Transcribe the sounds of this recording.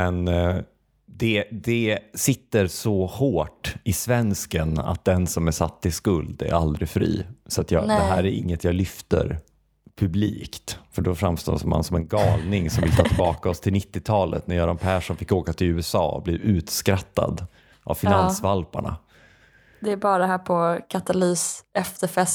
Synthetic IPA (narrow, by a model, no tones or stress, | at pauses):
mɛn | d̪ɛd̪ɛsɪt̪ːəɾsɔhoːʈɪsvɛnskəna̰t̪̚d̪ɛnsɔmæʂat̪ːɪskɵld̪æ̰ɾa̰ld̪ɾɪfɾḭːsɔat̪jɑd̪ɛɦæːɾæɾʔɪ̰ŋːət̪jɑːlʏft̪ə̰ɾ | pʰɵbliːkt̪fœɖɔfɾamst̪o̰ːsɔːma̰nsɔmɛnɡɑːlnɪŋsɔmvɪlt̪ʰɑːt̪ɪlbɑːkaɔst̪ʰɪlnɪt̪ːɪt̪ʰɑːlə̰t̪næɾjɑːɾanpʰæːʂɔnfɪkːoːkat̪ʰɪlʉ̟ːɛsɑ̰ːblɪɾʉ̟ːt̪skɾat̪ːa̰d̪ | ʔa̰vfɪnansvalpa̰ɳa̰ | d̪ɛæbɑːɾaɦæːɾpʰɔkʰat̪alyːsɛfɛfɛs